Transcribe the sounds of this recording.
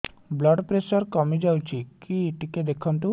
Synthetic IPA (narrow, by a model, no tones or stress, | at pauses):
blɔɖpɾesɔɾkɔmid͡ʒawt͡ʃʰikiʈiked̪ekʰɔnt̪u